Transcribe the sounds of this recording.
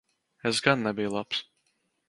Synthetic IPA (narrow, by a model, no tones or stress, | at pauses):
esɡanːɛbijlˠaps